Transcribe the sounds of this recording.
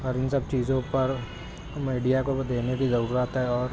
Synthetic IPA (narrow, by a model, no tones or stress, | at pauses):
ɔːɾɪnsɐb̚t͡ʃiːzõpɐɾ | miːɖijakod̪eːnebʱizɐɾuːɾat̪ɦɛɔːɾ